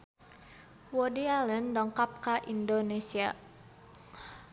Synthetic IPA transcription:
wɔdialəndɔŋkap̚kaʔindonesia̰

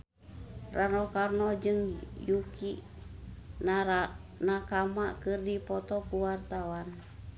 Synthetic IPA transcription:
rʔanɔkarnɔd͡ʒɨŋjukiʔ | n | nakamakɨrdipɔt̪ɔkuwart̪awan

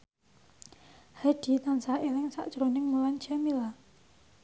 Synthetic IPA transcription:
haɖ̥i̤t̪ansaʔilɪŋsa̰ʔʒ̥ɾonɪŋmulant͡ʃamila

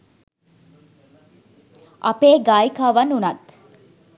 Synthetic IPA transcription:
ʔɐpeːɡaːikaːʋɐnːunɐt̪

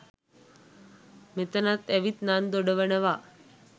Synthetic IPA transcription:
mit̪ənat̪eʋit̪nand̪oɖəʋəɳəʋa

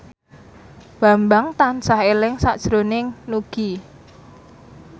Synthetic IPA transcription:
b̥a̤mbaŋt̪ansaɦelɪŋsaʔd̥ʒ̥ɾonɪŋnuɡ̥i

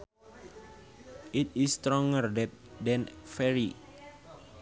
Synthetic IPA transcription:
ʔit̪ist̪ɾɔ̃ŋərdɛt̪̚dɛ̃nfɛɹi

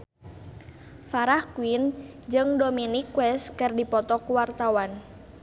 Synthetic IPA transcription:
faɾahkuin | d͡ʒɨŋdominikwɛskɨrdipɔt̪ɔkuwart̪awan

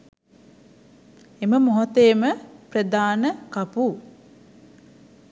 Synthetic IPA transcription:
eməmoɦot̪ejməprəd̪aːnəkapu

